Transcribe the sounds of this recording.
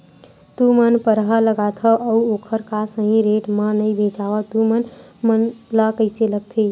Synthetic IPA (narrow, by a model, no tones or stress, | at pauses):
t̪umənpəɾɦələɡat̪ʰəʔəuokʰəɾkasə̃ɦĩɾeʈmə̃nəjbʱet͡ʃaʋət̪umənmənləkəɪseləɡ̚t̪ʰi